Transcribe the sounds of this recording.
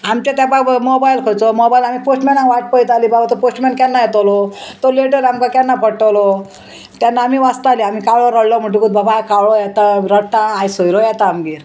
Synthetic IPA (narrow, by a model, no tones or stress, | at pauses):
amt͡ɕat̪apamɔbajilkʰot͡sɔmɔbajlamiposʈmɛ̃nãʋaʈ̚pəjt̪aliːbabat̪ɔposʈmɛɳʈkɛnːajɛt̪olɔt̪oleʈəɾamkakɛnːapəʈɔlɔ | t̪janːaːmiːʋast̪aliamikawɭɔɾəɽlɔm̤əɳʈũkud̪̚babakawɭɔjɛt̪aɾəʈaːjsojɾɔjɛt̪amɡiːɾ